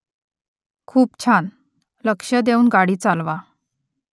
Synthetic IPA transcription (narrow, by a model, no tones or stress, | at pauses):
kʰuːpt͡ɕʰan | ləkʂəd̪euːnɡaɽiːt͡salʋa